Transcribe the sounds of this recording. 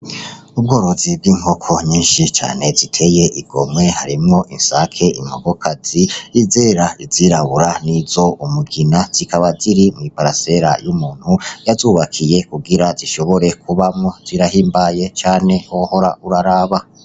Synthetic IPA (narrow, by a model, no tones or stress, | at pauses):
ub̚ɡo̞ːɾo̞zib̚ɡiːŋ̥ho̞kʰo̞ɲiːnʃit͡ʃa̰ːne̞zitʰe̞je̞ʔiɡ̥o̞̰mŋe̞haɾimŋo̞ʔinsakʰe̞ḭmoɡo̞kʰaziizeɾaḭziɾaβuɾaniz̥o̞umuɡinaz̥ikʰaβaziɾimŋipaɾase̞ɾa̰jumuːn̥hujazuːβakʰije̞kuɡiɾaziʃo̞βo̞ɾe̞kuβamŋo̞z̥iɾahiːmbaje̞t͡ʃaːne̞oho̞ɾauɾaɾaːβa